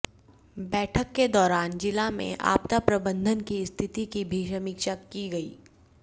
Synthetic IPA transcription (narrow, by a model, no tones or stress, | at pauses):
bɛːʈʰəkːed̪ɔːɾaːnd͡ʒɪlamḛ̃ʔa̰ːpt̪apɾɐbə̃nd̪ʱənkiɪst̪ʰɪt̪ikibʱiʃɐmikʃakiɡɐiː